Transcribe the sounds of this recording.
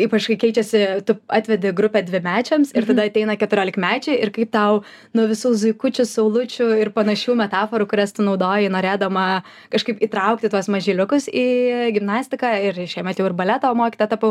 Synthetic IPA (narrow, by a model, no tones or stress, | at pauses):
iːpɐt͡ʃkɐɪkʲɛɪt͡ʃʲɛsʲɪt̪ʊɑːt̪ʲʋʲɛd̪ʲɪɡɾʊpʲɛdʲʋʲɪmʲæːt͡ʃʲɛmsɪrt̪ɐdɐɐt̪ʲɛɪnɐkʲɛt̪ʊɾʲoːlʲɪkmʲæːt͡ʃʲɛɪɪrkɐɪp̚t̪ɐʊ | nʊʋʲɪsuːzʊɪkʊt͡ʃʲʊsɐʊlˠʊt͡ʃʲʊɪrpɐnɐʃʲuːmʲɛt̪ɑːfoːɾʊkʊɾʲɛst̪ʊnɐʊd̪oːjɪnoːɾʲeːd̪ɐmɐ | kɐʃkɐɪpiːt̪ɾɐʊk̚t̪ʲɪt̪uɔsmɐʒʲiːlʲʊkʊsiːɡʲɪmnɑːsʲtʲɪkɑɪɾʃʲɛɪmɛt̪ʲjɛʊɪrbɐlʲɛt̪oːmoːkʲit̪oːt̪ɑːpoʊ